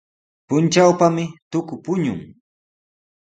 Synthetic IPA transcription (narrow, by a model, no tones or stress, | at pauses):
pʊnt͡ʃawpamɪt̪ʊkʊpʊɲʊ̰ŋ